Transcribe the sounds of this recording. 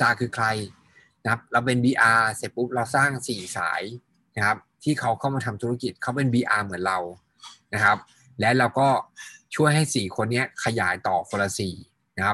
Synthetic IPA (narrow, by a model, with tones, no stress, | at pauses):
saː˧˩kʰɯː˧kʰla˧j | na˦˥p̚ɾa˧wpe˧nbiː˧ʔaː˧se˨˩pu˦˥p̚ɾa˧wsaː˥˩ŋsiː˨˩sa̰ː˩˦j | na˦˥kʰa˦˥p̚t̪ʰiː˥˩kʰa˦˥wkʰa˥˩wmaː˧t̪ʰa˧mt̪ʰu˦˥a˦˥ki˨˩t̪̚kʰa˦˥wpe˧nbiː˧ʔaː˧mɯ˨˩˦nɾa˧w | na˦˥kʰa˦˥p̚ | lɛ˦˥ɾa˧wkɔː˥˩t͡ɕʰu˥˩əjɦa˥˩jsiː˨˩kʰo˧nːi˦˥ɐkʰa˧jaː˩˦jt̪ɔː˨˩kʰo˧la˧siː˨˩ | na˦kʰa˦˥p̚